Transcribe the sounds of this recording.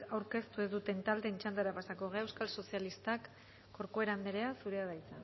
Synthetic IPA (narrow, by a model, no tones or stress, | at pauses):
awɾke̞st̪uezðut̪e̞nt̪ald̪e̞ːnt͡ʃand̪aɾapasako̞ɣeaewskalso̞sialist̪akː | o̞ɾkoe̞ɾamd̪eɾe̞asuɾe̞aðajt͡sa